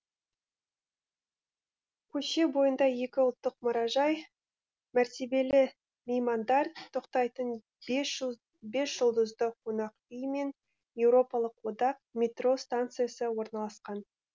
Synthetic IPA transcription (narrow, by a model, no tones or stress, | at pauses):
kʲʰɵʃe̞bo̞jənd̪ɑje̞kʲɪʊlˠt̪ːəqmʊɾɑʒɑj | mæɾt̪e̞be̞lɪ | mʲejmand̪ɑɾt̪t̪ʰːoqt̪ɑjt̪ən | be̞sʒ̥əlˠd̪əzd̪əqʰonɑq | ijme̞n | je̞wɾo̞pɑlˠəqwo̞d̪ɑq̚mʲet̪ro̞st̪ant̪sɨjasəwo̞ɾnɑlˠɑsqɑn